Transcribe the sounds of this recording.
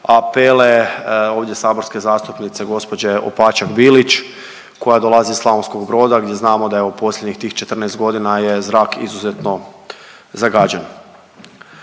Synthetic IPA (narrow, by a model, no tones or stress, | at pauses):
apeleo̞ːʋd̪je̞saːbo̞ɾske̞zaːst̪upnit̪se̞ɡo̞spo̞d͡ʑeo̰paːt͡ʃaɡbilit͡ʃ | ko̞jad̪o̞lˠazislˠaonsko̞ɡbɾo̞ːd̪aɡd̪ʲje̞znaːmo̞d̪ajeupʰo̞slʲed̪ɲixt̪iːxt͡ʃe̞t̪rneest̪ɡo̞d̪inaje̞zɾaːkḭzuzet̪no̞ | zaɡaːd͡ʑan